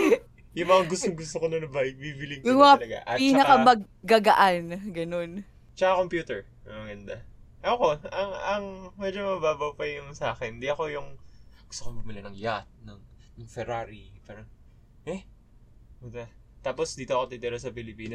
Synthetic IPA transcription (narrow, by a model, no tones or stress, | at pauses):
jʊŋmɐŋaɡʊst̪oŋɡʊst̪okonɐnɐbajɪk̚biːbɪlɪŋkjʊɐŋmɐŋaɐlɐɡa̰ʔɐtpit͡ʃːɐnɐkamɐɡːaɡɐʔanɡɐno̞n | t͡ʃɐkakompjuːt̪ɛɹ | mɐŋɐɡɐnd̪aʔɐko̞ɐŋɐŋmɛd͡ʒomɐbaːbɐwpɐjʊŋsaːxɛnd̪iʔɐko̞jʊŋɡ̥ʊ̥st̪okomɡʊmɐlɐnɐŋjat̪̚nɐŋ | nʊŋfɛɾaːɾipaːɾɐŋ | ʔɛ | ʊt̪ɐ | t̪aːposd̪iːt̪o̞ɐkot̪it̪ɛɾosɐpɪlɪpiːno